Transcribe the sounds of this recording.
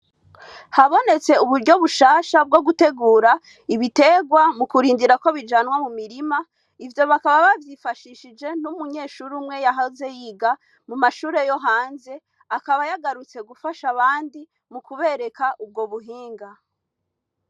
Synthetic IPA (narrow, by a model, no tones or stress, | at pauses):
haβo̞ne̞t͡se̞uβuɾɟo̞βuʃaːʃab̚ɡo̞ɡute̞ɡuːɾa | iβite̞ːɡwamukuɾiːndiɾako̞βid͡ʒaːnwamumiɾima | ivjo̞βakaβaβavjifaʃiʃid͡ʒe̞numuɲe̞ːʃuɾumŋe̞jaɦaze̞jiɡa | mumaʃuːɾe̞joɦaːnze̞ | akaβajaɡaɾut͡se̞ɡufaʃaβaːndi | mukuβe̞ɾe̞kaʔub̚ɡo̞βuɦiːŋɡa